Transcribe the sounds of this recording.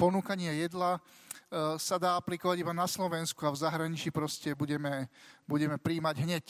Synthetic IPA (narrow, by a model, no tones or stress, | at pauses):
pɔnuːkaɲɪajɛd̪la | sad̪aːaplikɔʋaɟibanaslɔʋɛnskuavzaɦɾaɲit͡ʃipɾɔscɛbuɟɛmɛbuɟɛmɛpɾiːmaɟɦɲɛc